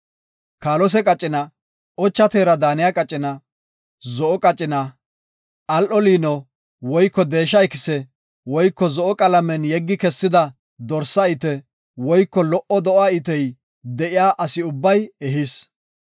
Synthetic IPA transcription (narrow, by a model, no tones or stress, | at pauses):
kaːlɔs̬ɛkʼɐt͡ʃʼːɪnɐ | ʔɔt͡ʃːɐt̪eːɾɐd̪aːnɪjakʼɐt͡ʃʼːɪnɐ | zɔʔɔkʼɐt͡ʃʼːɪnɐ | ʔɐlʔɔliːnɔ | wɔjkːɔd̪e̞ːʃ̬ːɐjkɪsɛ | wɔjkːɔzɔʔɔkʼɐlɐmɛnjɛɡːɪkɛsːɪd̪ɐ | d̪ɔɾsɐɪt̪ɛ | wɔjkːɔlɔʔɔd̪ɔʔaːɪt̪ɛj | d̪ɛʔɪjaːʔɐsɪʊbːɐjɛɦɪs